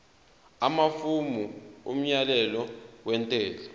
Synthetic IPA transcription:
amafumuṵm̩ɲalɛlɔwɛntʼɛːlɔ

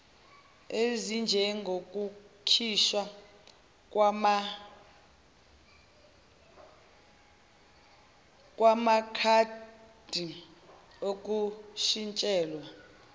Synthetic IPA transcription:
ezind͡ʒʱɛŋɡʱok̬ʼukʰiʃwa | k̬ʼwama | kʼwamakʰad̥ʱi | ok̬ʼuʃint͡ʃʼɛːlwa

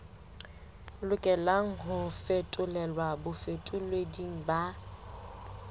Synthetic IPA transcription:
lʊkʼɛlaŋ̩ɦʊfetʼʊlɛlwabʊfetʼʊlwediŋ̩ba

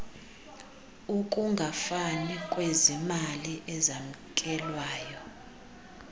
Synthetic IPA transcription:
ukʼuŋɡʱafanikʼwezimaliʔɛzam̩kʼɛlwaːjɔ

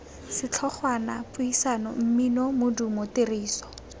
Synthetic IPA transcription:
sɪt͡ɬʰɔχwanapʊisanɔ̰m̩minɔmʊdumoteriːsɔ̥

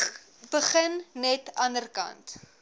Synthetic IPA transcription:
bəχənnɛtɐnərkɐ̰nt

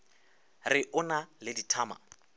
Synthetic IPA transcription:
rɪʔʊnalɪditʰaːma̰

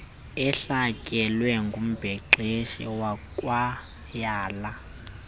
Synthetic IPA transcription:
ɛɬakʼɛlwɛŋɡʱum̩b̥ʱɛǁeʃḭwakʼwa | jaːla

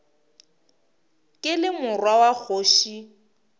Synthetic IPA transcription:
kʼɪlɪmʊrwawak͡xʰoːʃi

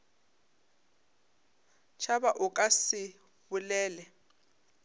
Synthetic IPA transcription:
t͡ʃʰabaʔʊkʼasɪ | bʊlɛːlɛ

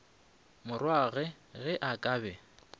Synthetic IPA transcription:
mʊrwaɣɛ | ɣɛʔakʼaːbɛ

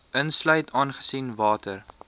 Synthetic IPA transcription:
ʔənslœɥtʰɑːnχə̥sinvɑːtər

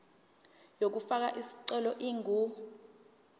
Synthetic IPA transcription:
jok̬ufak̬a̰ʔisi̥ǀɛlɔʔiːŋu

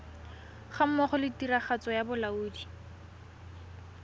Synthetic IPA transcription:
χam̩mɔχɔlɪtiraχat͡sɔjabʊlauːdi

